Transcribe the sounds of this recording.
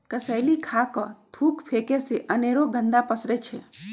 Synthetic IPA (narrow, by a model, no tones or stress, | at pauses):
kəsəjlikʰakɔt̪ʰuːkpʰeːkeseʔəneːɾoɡənd̪apəsɾet͡ʃʰe